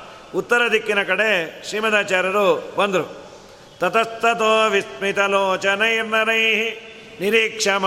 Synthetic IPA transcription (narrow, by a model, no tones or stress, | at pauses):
ut̪ːɐɾɐd̪ʱikːinɐkɐɽeʃɾiːmɐd̪aːt͡ʃaːɾɐɾubɐnd̪ɾu | t̪ɐt̪ɐst̪ɐt̪oːʋismit̪ɐloːt͡ʃɐnɐjiɾnɐnɐjɦi | niɾiːkʂam